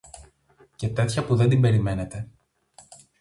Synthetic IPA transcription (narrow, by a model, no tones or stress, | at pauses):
ce̞t̪e̞t̪çɐpuðend̪imbe̞ɾime̞ne̞t̪e̞